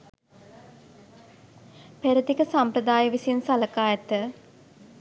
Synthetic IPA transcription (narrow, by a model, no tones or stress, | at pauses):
peɾət̪ikəsampɾəd̪aːjəʋisinsaləkaːjət̪ə